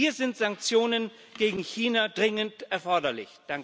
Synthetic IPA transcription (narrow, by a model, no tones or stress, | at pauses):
iːɐzɪntz̥aŋk̚t͡sjoːnən | ɡ̥eːɡŋ̩çiːnadʁɪŋəntʔɛɐfɔɐdɐlɪ̰çd̥aŋk